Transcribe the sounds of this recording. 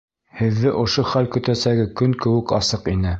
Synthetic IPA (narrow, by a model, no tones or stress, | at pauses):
hɘ̆ðːɘʔŏʃoχælkɵ̆t̪æsæɡɘkɵŋkɘ̆wɘ̆kɑsɤqinɘ